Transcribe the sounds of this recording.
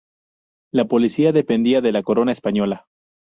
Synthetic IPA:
lapo̞lisiaðe̞pe̞nd̪iaðe̞lako̞ɾo̞naespaɲo̞la

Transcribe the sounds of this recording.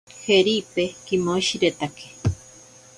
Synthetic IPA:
heɾipekimoʃiɾet̪akʰe̥

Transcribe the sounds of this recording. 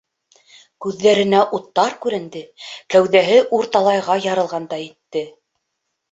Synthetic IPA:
kʉðːæɾɘ̆næʔut̪ːɑɾkʉɾɘ̆nd̪ɘkæwðæɦɘʔuɾt̪ɑlˠɑjʁɑjɑɾɤ̆lˠʁɑnd̪ɑjɘ̆t̪ːɘ

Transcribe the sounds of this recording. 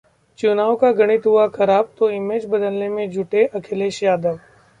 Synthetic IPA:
t͡ʃʊnaːʋkaɡɐɽ̃ɪt̪ɦʊaxɐɾaːb̚t̪oɪmeːd͡ʒbɐd̪əlnemẽd͡ʒʱʊʈeʔɐkʰɪleʃjaːd̪əɾ

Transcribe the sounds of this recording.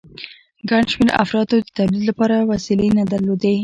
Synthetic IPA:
ɡaɳʃmeɾa̰fɾɑt̪od̪ət̪ablid̪lapɑɾawasilenad̪aɾlod̪e

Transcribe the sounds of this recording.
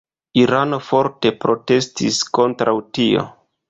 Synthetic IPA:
iɾano̞fo̞ɾte̞pɾo̞te̞stisko̞ntɾawtio̞̰

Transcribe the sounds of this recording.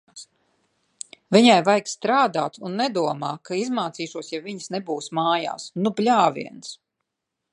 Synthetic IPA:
vʲiɲajvajkst̪ɾaːd̪aːt̪unːɛd̪uɔmaːkaizmaːt̪siːʃuɔsjavʲiɲsnebuːsmaːja̰ːsnuplʲaːvʲḭɛns

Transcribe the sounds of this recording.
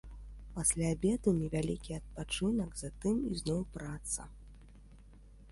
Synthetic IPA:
pasʲlʲaːbʲɛd̪unʲɛvʲalʲikʲiɐt̪̚pat͡ʂɨnɐɡzat̪ɨmḭznɔwpɾat̪sɐ̰

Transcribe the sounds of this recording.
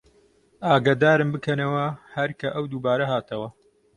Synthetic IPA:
aːɡaːd̪aːɾɨmbɨkʰɐnɐwɐhɐɾkʰɐʔɐwd̪uːbaːɾɐɦaːt̪ʰɐwɐ

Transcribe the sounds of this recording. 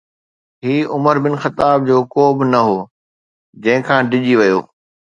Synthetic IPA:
ɦiːʊməɾbɪnxɐt̪aːb̚d͡ʑoːkoːbɪnɐɦoː | d͡ʑɐ̃ɦɪ̃kʰãːɖɪʄiʋɐjoː

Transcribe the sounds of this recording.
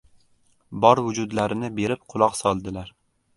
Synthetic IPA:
bɒɾvʊd͡ʒʊd̪laɾɪnɪbe̞ɾɪp̚qʰʊlˠɒqsɒlˠd̪ɪlaɾ

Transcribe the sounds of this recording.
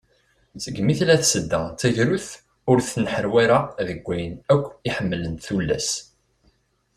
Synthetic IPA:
səɡmiθlæθsəd̪ːæt͡sːæʝɾuθ | ʊɾθnħəɾwæɾaðəɡʷːæjənækʷːiħəmːlənt̪θulːæ̰s

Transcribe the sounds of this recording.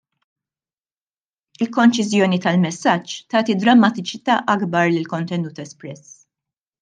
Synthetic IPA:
ɪlkɔnt͡ʃɪzjɔːnit̪ɐlmɛsːɐt͡ʃːt̪ɐːt̪id̪ɾɐmːɐt̪ɪt͡ʃɪt̪ɐːʔɐɡbɐɾlɪlkɔnt̪ɛnuːt̪ɛspɾɛs

